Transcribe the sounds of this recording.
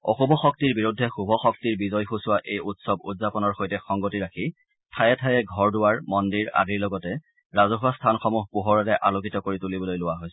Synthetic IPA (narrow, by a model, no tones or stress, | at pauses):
ɔ̰xubʱɔxɔk̚tiɹbiɹudʱːɛxubʱɔxɔk̚tiɹbizɔjxusʊwaʔejutsɔbṵtzapɔnɔɹxojtɛxɔŋɡotiɹakʰi | tʰajɛtʰajɛɡʱɔɹdʊwaɹmɔndiɹa̰diɹlɔɡɔtɛ | ɹazɔxʊastʰanxɔmuɦpuɦɔɹɛtɛʔalokitɔkoɹitulibɔlojlʊwaɦojsɛ